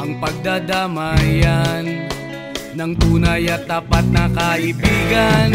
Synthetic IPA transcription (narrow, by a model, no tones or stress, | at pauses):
ʔɐŋpɐɡ̚d̪ad̪amajanː | ɐŋt̪uːnɐjɐt̪̚ːaːpat̪̚nɐkɐʔɪbiːɡɐn